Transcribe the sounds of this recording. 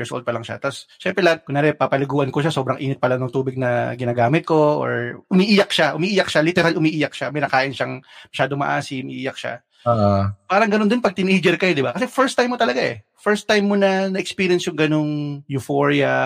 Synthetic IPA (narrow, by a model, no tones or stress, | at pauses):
jɪɹsʔo̰ld̪̚pɐlɐŋʃa̰t̪asʃɛmpɾɛlakʊŋnaːɾɛpapɐlɪɡuːʔɐnkoʃaso̞ːbɾɐŋʔḭːnɪt̪̚pɐlaŋnʊŋt̪uːbɪɡ̚nɐɡɪnaːɡaːmɪt̪̚ko̞ʔo̰ɹʔʊmiːʔiːjɐk̚ʃaʔʊmiʔiːjɐk̚ʃalɪt̪ɛɾalʊmiːʔiːjɐk̚ʃamɐjnɐkaːʔɪnʃaŋmɐʃaːd̪oŋmɐ̰ʔaːsɪʔʊmiːʔiːjɐk̚ʃa̰ | aːʔpaːɾɐŋɡɐnond̪ɪnpɐɡ̚t̪ɪnejd͡ʒɛɾkɐjod̪ɪbakɐsɛfɛɹst̪ajmːot̪ɐlɐɡaʔɛ̰ | fɛɹst̪ːajmːonɐnɐʔɛkspiːɾiɐnsjʊŋɡɐnoŋjʊfoɹiɐ